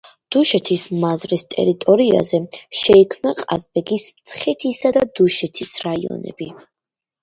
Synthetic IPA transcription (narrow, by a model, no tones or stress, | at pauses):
d̪̥uʃɛt̪ʰismazɾist̪ʼɛ̰ɾit̪ʼɔɾia̰zɛʃɛikʰmnaqʼa̰zbɛɡismt̪sʰχɛt̪ʰisad̪ad̪uʃɛt̪ʰisɾaiɔ̰nɛ̰b̥i